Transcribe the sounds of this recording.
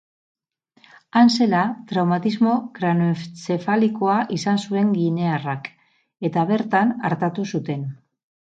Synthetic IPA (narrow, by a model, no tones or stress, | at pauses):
anse̞lat̪ɾawmat̪izmo̞kɾanot͡sefaliko̞aʔisansue̞ŋɡine̞arak | e̞t̪aβ̞e̞ɾt̪ana̰ɾt̪at̪usut̪e̞n